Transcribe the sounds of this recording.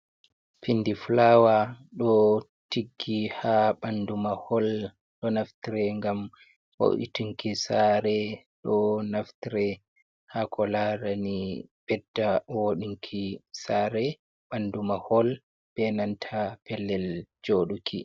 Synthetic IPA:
finːdiflawaɗɔ | tiɡːihaɓandumahɔl | ɗɔnaftiɾɛŋɡam | wo̰ʔḭtuŋkisaɾɛ | ɗɔnaftiɾɛ | hakʰɔlaɾanib̥ɛdːawoɗiŋkʰisaːɾɛ | ɓandumahɔl | b̥ɛnantʰapɛlːɛld͡ʒoɗukʰi

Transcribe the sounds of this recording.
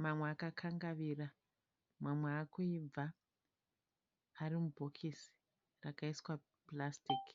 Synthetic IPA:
mamweakakʰaŋɡaʋira | mwamweakoib͡va | ɾimubʱokʰisi̥ | rakaiswa | plastik

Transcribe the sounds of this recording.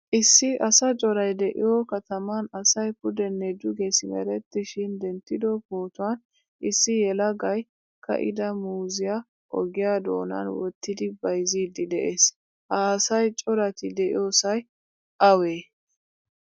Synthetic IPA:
ʔɪsːɪʔɐsɐt͡ʃʼɔɾɐjd̪ɛʔɪ̰jɔkɐt̪ɐmɐnɐsɐjpʊd̪ɛnːɛd̪ʊɡesɪmɐ̰ɾɛt̪ːɪʃɪnd̪ɛnt̪ːɪd̪ɔpo̞ːt̪ʊwɐn | ʔɪsːɪjɛlɐɡɐj | kɐ̰ʔɪ̰d̪ɐmuːzɪja | ʔɔ̰ɡɪjaːd̪o̞ːnɐ̰nwɔt̪ːɪd̪ɪbɐjziːd̪ɪd̪ɛʔeːs | ʔaːsɐjt͡ʃʼɔɾɐt̪ɪd̪ɛʔɪ̰jo̞ːsɐj | ʔɐweː

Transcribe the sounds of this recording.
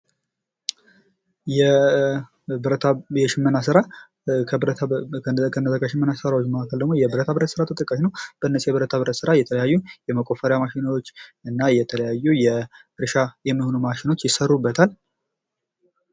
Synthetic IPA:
jɛ | ɾət̪ʰjɛʃɪmːɨnasɨɾa | kənəəkːəʃɪmːənasɨɾawot͡ʃːməakʰəld̪əɡmojɛbɨɾət̪ʰabɨɾət̪sɨɾat̪ʰət̪ʼəkʼːəʃnəwb̥əɨnːəsjɛβɨɾət̪ʰaβɨɾət̪sɨɾajɛt̪ʰələjajːujɛməkʼo̞fəɾjamaʃɪnwot͡ʃːɨnːajɛt̪ʰələjajːujɛ | ɾɨʃajɛmːiho̞numaʃɪno̞t͡ʃːjɪsərːubːət̪ʰal

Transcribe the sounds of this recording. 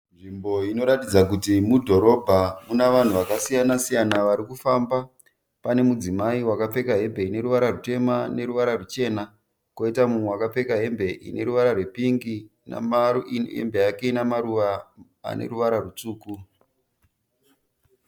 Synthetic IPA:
nʐimbo̞ino̞ɾatid͡zak̬utimudʱo̞ɾo̞bʱamunaʋan̤uʋakasijanasijanaʋaɾikufamba | pane̞mud͡zimaiwakap͡fe̞kaɦe̞mbe̞ine̞ɾuʋaɾarute̞mane̞ɾuʋaɾarut͡ʃe̞ːna | koitamumwewakap͡fe̞kaɦe̞mbe̞ʔḭne̞ɾuʋaɾarwe̞piŋɡi | na̰mɦḛmbe̞akeinamaɾuʋa | a̰nḛɾuʋaɾarut͡suːku

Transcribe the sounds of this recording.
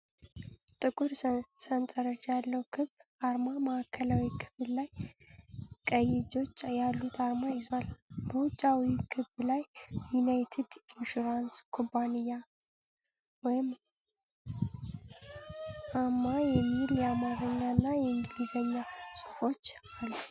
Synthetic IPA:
t̪ʼɨkʼuɾsənt̪ʼəɾəd͡ʒjalːəwkʰɨβʔaɾmaməʔakʰːəlawikʰɨβɨllaj | kʼəjːɪd͡ʒo̞t͡ʃːjalːut̪ʰaɾmajɪzalbəwʊt͡ʃʼːawikʰɨβːlajjunajt̪ʰɪd̪ɪnʃuɾanskʰompʰːanijːa | wɔjɪm | ʔaɾmajɛmːiljɛamaɾəɲːanːajɛɨŋɡɨlizəɲːasʼu̥fo̞t͡ʃː | alːu

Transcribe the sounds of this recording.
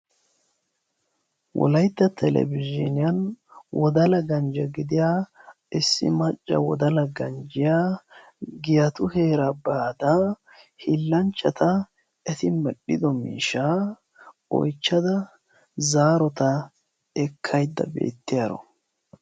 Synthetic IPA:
wɔ̰lɐjt̪ːɐt̪ʰɛlɛ̰bɪd͡ʒɪnɪjɐnwɔd̪ɐlɐɡɐnd͡ʒɐɡɪd̪ɪjaː | ɪsːɪ̰mɐt͡ʃʼːɐ̰wɔ̰d̪ɐlɐɡɐnd͡ʒɪjaː | ɡɪjɐt̪ʊhe̞ːɾɐbaːd̪a | hɪlːɐnt͡ʃːɐt̪ʰɐ | ɛt̪ɪmɛɗːɪd̪ɔmḭːʃaː | ɔ̰jt͡ʃːɐd̪ɐ | zaːɾɔt̪ɐ | ɛkʰːɐjd̪ːɐ̰bḛːt̪ːɪjɐɾɔ̰

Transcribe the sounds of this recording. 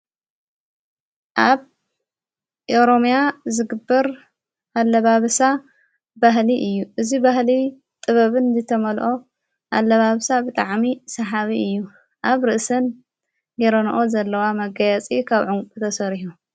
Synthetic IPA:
ʔaβ | ʔoɾo̞mjazɨɡɨbːɐɾ | ʔalːɐβaβsa | baɦliʔɨjːuʔɨzibahli | t̪ʼɨβɐβɨnzɨt̪ʰɐmɐlʔo̞ | ʔalːɐβaβsabɨt̪ʼaʕmisɐħaβiɨjːu | ʔaβɾɨʔsɐn | jɛɾɐnʔozɐlːɐwamɐɡɐjɐt͡sʼikʰaβʕʊŋkʼu̥t̪ʰɐsɐɾħu

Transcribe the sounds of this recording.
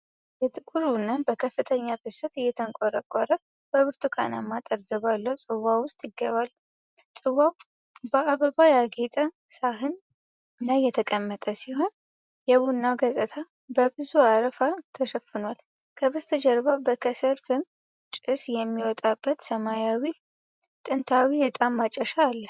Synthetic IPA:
jɛt̪ʼɨkʼuɾunːənbəkʰəfːɨt̪ʰəɲːabɨsət̪ɨjːɛt̪ʰəŋkʼɔɾəkʼɔɾə | b̥əβɨɾt̪ʰʼukʰa̰na̰mːat̪ʼəɾzəβalːəwusʼɨwawʊst̪ʼjɪɡːəβal | sʼɨwaw | bəaβəbajaɡet̪ʼə | saɦɨn | lajɛt̪ʰəkʼəmːət̪ʼəsiho̞n | jɛβunːaɡəzʼət̪ʰa | bəbɨzuaɾəfat̪ʰəʃəfɨnwal | kʰəβɨst̪ʰəd͡ʒɛɾbabəkʰəsəɾfɨm | t͡ʃʼɨsjɛmːiwɔt̪ʼabːət̪səmajawi | t̪ʼɨnt̪ʰawibɛt̪ʼamːat͡ʃʼːəʃaːlːə

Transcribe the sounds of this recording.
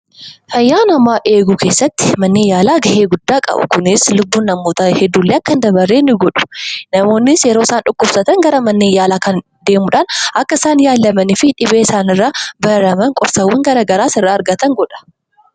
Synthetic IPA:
fɐjːaːnɐmːaːʔe̞ːɡʊkʰeːsːɐt̪ːɪ̥mɐnːeːjaːlaːɡɐhe̞ːɡʊd̪ːaːkʼɐ̰bʊ̰kʊnɪslʊbːuːnːɐmːo̞ːt̪ɐhɛd̪ːuːlːeːɐkːɐnd̪ɐbɐrːeːnːɪɡɔᶑʊ̥nɐmo̞ːnːɪsjɛɾoːɪsaːnᶑʊkːʊbsɐt̪ɐŋɡɐɾɐmɐnːeːjaːlaːkɐn | d̪e̞ːmʊᶑaːnɐkːɐɪsaːnjaːlːɐmɐnɪfɪᶑɪbeːɪsaːnɪrːaːbɐɾɐmɐŋkʼɔɾsɐwːɐŋɡɐɾɐːɡɐɾaːsɪrːaːɐɾɡɐt̪ɐŋɡɔᶑɐ̥

